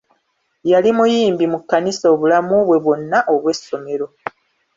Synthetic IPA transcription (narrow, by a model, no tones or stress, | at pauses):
jalimujiːmbimukːaniso̞ːβulamuβwe̞βo̞nːaʔo̞βwe̞so̞me̞ɾo̞